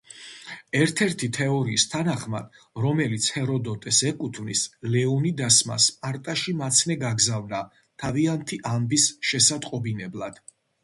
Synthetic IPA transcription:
ɛɾt̪ʰɛɾt̪ʰit̪ʰɛɔɾiːst̪ʰanaχma̰d̪ | ɾɔmɛlit̪sʰhɛɾɔd̪ɔt̪ʼɛsɛkʼut̪ʰvnislɛɔnid̪asma̰spʼaɾt̪ʼaʃimat̪sʰnɛɡaɡzavna | t̪ʰaviant̪ʰiʔambisʃɛsat̪ʼqʼɔbinɛblˠad̪̥

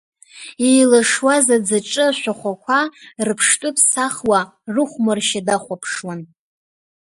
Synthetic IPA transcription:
ejlɨʂwazad͡zaʈ͡ʂʼɨʃʷaχʷakʷʰarɨpʰʂtʷʼʊpʰsaχwa | rɨχʷmɨrʃadaχʷapʰʂwan

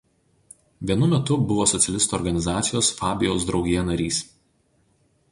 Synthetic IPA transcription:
ʋʲiɛnʊmʲɛt̪ʊbʊʋoːsɔt̪sʲɛlʲɪst̪uɔːɾɡɐnʲɪzɑːt̪sʲɪjoːsfɑːbʲɪjoʊs̬d̪ɾɒʊɡʲijɛnɐɾʲiːs

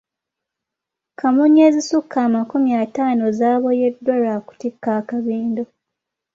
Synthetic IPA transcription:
kʰamuɲːezisukʰːaːmakumjataːnozaːβo̞jedːoɾaku̥tikːaːkaβiːndo̞

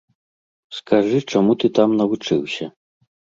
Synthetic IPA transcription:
skʰaʐɨt͡ʂamut̪ɨt̪amnɐvut͡ʂɨwsʲɐ

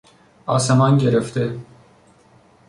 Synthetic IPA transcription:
ɑːsemɑnɟeɾeft̪e

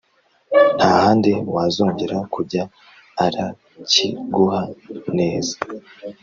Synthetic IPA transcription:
n̥hahaːndewazoːɲɟe̞ɾakuɾɟaː | ɾa | ciɡuhane̞ːzḁ

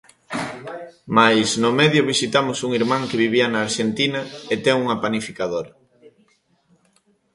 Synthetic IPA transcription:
majsnʊmɛðjʊβisit̪amʊsuŋiɾmãŋkeβiβiɐnaːɾʃent̪inɐet̪ɛŋuŋɐpanifikaðoɾɐ

